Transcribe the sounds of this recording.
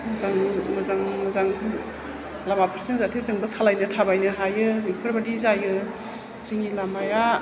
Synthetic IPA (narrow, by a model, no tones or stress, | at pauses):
mɯzaŋmɯzaŋmɯzaŋ | lamapʰɯɾsenzatʰizɯŋbɯsalajnɯtʰabajnɯɦajɯmikʰɯɾbadizajɯ | ziŋilamaja